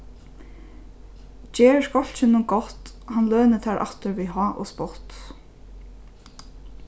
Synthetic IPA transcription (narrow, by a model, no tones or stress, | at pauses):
t͡ɕɛːskɔl̥t͡ʃɪnʊnɡɔht̪hanlœːnɪt̪ʰɛɹʔa̰ft̪ʏɹviɦɔːʔɔ̰spɔht̪